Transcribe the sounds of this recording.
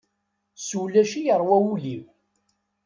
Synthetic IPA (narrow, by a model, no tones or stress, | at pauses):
sulːæʃijəɾˤwæwuliw